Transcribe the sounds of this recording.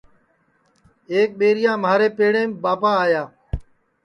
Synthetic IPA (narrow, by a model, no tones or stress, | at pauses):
eːk̚ɓeːɾɪjãːmaːɾeːpeːɽẽːmbaːpaːaːjaː